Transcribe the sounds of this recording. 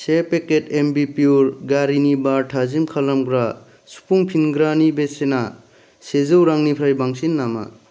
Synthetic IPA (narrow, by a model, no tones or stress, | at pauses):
sepeketʰembipiuɾɡaɾinibaɾʈʰazimkʰalamɡɾa | su̥pʰuŋpʰinɡɾanibesena | sezɯwɾaŋnipʰɾajbaŋsinːama̰